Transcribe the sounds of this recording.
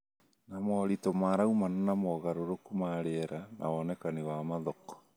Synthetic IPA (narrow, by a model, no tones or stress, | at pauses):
namɔɾitɔmaɾaumananamɔɣaɾoɾokumaɾeːɾanʔa̰ɔnɛkanewamaðɔkɔ̥